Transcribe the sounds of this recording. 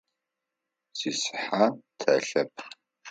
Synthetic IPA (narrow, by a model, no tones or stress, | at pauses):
sisħatʰɐɬɐp̚ʰ